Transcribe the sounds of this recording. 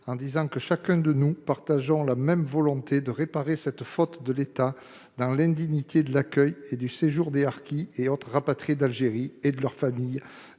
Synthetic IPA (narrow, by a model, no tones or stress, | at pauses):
ɑ̃d̪izɑ̃kəʃakʲɛ̃d̪ənupaʁt̪aʒɔ̃lamɛmvɔlɔ̃t̪ed̪əʁepaʁesɛt̪fɔt̪d̪əlet̪a | d̪ɑ̃lɛ̃d̪iɲit̪ʰed̪əlakʲœjed̪yseʒuʁd̪eaʁkʲieot̪χəʁapat̪χid̪alʒeʁied̪əlœʁfamij